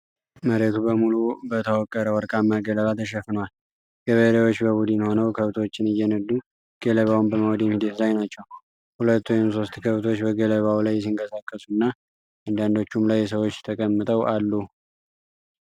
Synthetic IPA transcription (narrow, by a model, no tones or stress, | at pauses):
məɾet̪ʰubəmulubət̪ʰəwɔkʼːəɾəwɔɾkʼamːaɡələβat̪ʰəʃ̬ɛfɨnwal | ɡ̥əβəd̪əwo̞t͡ʃːbəbud̪ɨnho̞nəwkʰəβt̪ʰot͡ʃːɪnɨjːɛnəd̪ːu | ɡ̥ələβawnbəməwɔd̪inhid̪et̪lajnat͡ʃːɛw | hulət̪ːujɛmso̞st̪kʰəβt̪ʰo̞t͡ʃːbəɡələβawlajːɛs̬iŋkʼəsakʼːəsunːa | ʔand̪and̪o̞t͡ʃːumlajːs̬əwo̞t͡ʃːt̪ʰəkʼəmːɨt̪ʼəwʔalːu